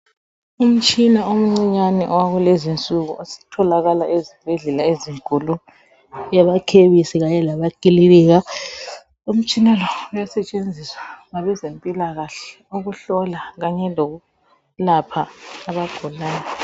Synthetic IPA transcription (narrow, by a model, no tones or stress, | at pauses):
um̩t͡ʃʼinaom̩ŋ͡ǀiɲanɛ̰ʔɔwaɣulezint͡sʼuɣṵʔosi̥tʰɔlaɣalaʔezib̥ʱɛɮɛlaeziŋkʼulu | jaβakʰeβisiɣaɲɛlaβakʼililiɣa | um̩t͡ʃʼinalɔwujasɛt͡ʃʼend͡zʱiswaŋaβɛzempʼilaɣaɬɛ | oɣuɬɔlaɣaɲɛloɣu | lapʰaːβaɡ̥ʱulaːna